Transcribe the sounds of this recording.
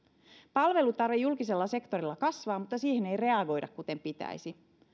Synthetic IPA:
pɑlʋe̞lut̪ɑrʋijulkise̞lːɑse̞kt̪o̞ɾilːɑkɑsʋɑːmut̪ːɑsiːhene̞jre̞ɑɡo̞jdɑ̰kkut̪e̞mpit̪æ̰jsi

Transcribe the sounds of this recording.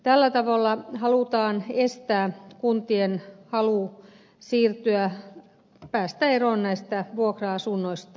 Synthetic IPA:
t̪ælːæt̪ɑʋolːɑhɑluˑt̪ɑːnest̪æːkunt̪ienhɑluˑ | siːrt̪yæ | pæːst̪æeroˑnnæist̪æʋuokrɑɑsunːoist̪ɑ

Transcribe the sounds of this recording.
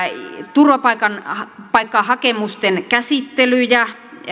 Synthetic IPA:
t̪urʋɑpɑikɑnpɑikːɑhɑkemust̪enkæsit̪ːelyjæ

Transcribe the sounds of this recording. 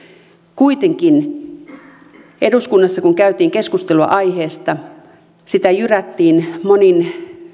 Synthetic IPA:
kuit̪eŋkin | eduskunːɑsːɑkuŋkæyt̪iːŋkeskust̪eluɑ̰ʔɑiheːst̪ɑ | sit̪æjyræt̪ːiːnmonin

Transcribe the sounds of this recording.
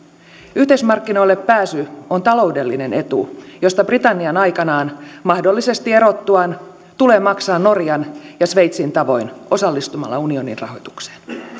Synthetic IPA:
yht̪eismɑrkːino̞ilːe̞pːæːsyo̞nt̪ɑlo̞wde̞lːine̞ne̞t̪ṵjo̞st̪ɑbrit̪ɑnːiɑnɑjkɑnɑːnmɑhdo̞lːise̞st̪ie̞ɾo̞t̪ːuɑn | t̪ule̞ːmɑksɑːnːo̞rjɑnjɑsʋe̞jt̪sint̪ɑʋo̞jno̞sɑlːist̪umɑ̰lːɑunio̞nḭnrɑ̰ɦo̞̰jt̪u̥kse̥ːn

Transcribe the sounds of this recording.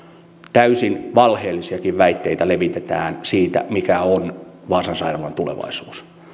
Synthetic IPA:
t̪æysinʋɑlheːlːisiɑkiʋʋæit̪ːeit̪æleʋit̪et̪æːnsiːt̪æ̰mikæonʋɑːsɑnsɑilɑʋɑnt̪ulḛʋɑ̰isuːs

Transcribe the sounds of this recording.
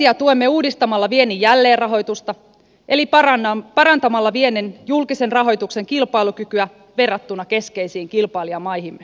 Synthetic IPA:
iɑt̪uemːeuːdist̪ɑmɑlːɑʋienːijælːe̞ːrrɑɦo̞jt̪ust̪ɑ | ʔe̞lipɑɾɑnt̪ɑmɑlːɑʋienenjulkise̞nrɑɦo̞jt̪ukse̞ŋkilpɑiluk̟ykyæ | ʋe̞rːɑt̪ːunːɑke̞ske̞isiːŋkilpɑliɑmɑjhimːe

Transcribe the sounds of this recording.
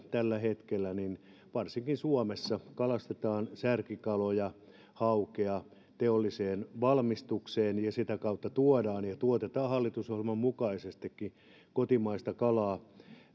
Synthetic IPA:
t̪ælːæhet̪kelːænin | ʋɑrsiŋkinsuomesːɑkɑlɑst̪et̪ɑːnsærkikɑlojɑ | hɑukeɑ | t̪eolːiseːnʋɑlmist̪ukseːnjɑsit̪ækɑut̪ːɑt̪uodɑːnjɑt̪uot̪et̪ɑːhɑlːit̪usohilmɑmmukɑisest̪ikːi | kot̪imɑist̪ɑkɑlɑː

